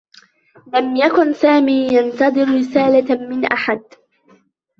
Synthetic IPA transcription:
lamjakʊnsaːmiːjant̪ɑd̪ˤɨɾɾɪsaːlamɪnʔaħad̪̚

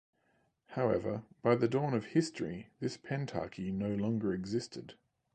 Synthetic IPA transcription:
haʊɛvə̰b̥aɪðədɔːnəv̥hɪstɹ̥iðɪspʰɛ̃ntʰɑ̰ˑkʰinəʊlɒ̃ŋɡəɹɨɡzɪstʰɪd̥

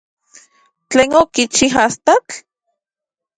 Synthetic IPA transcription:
t͡ɬeːnokit͡ʃiɦast̪at͡ɬ

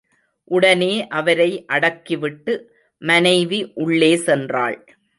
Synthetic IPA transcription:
ʔʊɽɐneːʔɐʋɐɾɐɪʔɐɽɐkːɪʋɪʈːɯ | mɐnɐɪʋiʔʊɭːeːsɛndra̰ːɭ

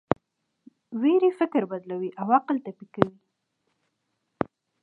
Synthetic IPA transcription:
wiɾifɪkɾbad̪lawiʔawɑqɪlt̪apikawi

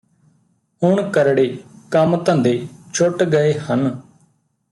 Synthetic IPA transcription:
ʊɳkəɾɽeːkəmt̪ə̃nd̪eːt͡ʃʰʊʈɡəeːhən

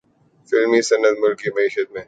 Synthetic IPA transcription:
fɪlmisɐnːət̪mʊlkimɐiːʃət̪̚mẽː

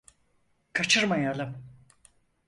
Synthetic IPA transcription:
kʰat͡ʃʰɯɾmajalˠɯm

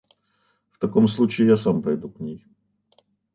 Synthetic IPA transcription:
ft̪ɐkoms̬lˠut͡ɕɪɪjasampɐjd̪uknʲej

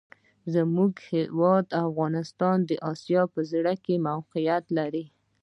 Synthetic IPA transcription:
zəmuɡhɪwɑd̪afɣɑnɪst̪ɑnd̪əʔɑsjɑpəzɽakemawqijat̪laɾi

